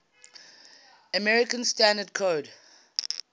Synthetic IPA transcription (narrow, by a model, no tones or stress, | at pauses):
əmɛɹɪkə̃nstãndəd̚kʰoːd